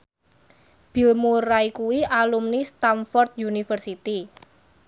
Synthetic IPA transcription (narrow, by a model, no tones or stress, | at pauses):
b̥i̤lmuraikuwiʔalumnist̪amfɔrt̪̚junifərsit̪i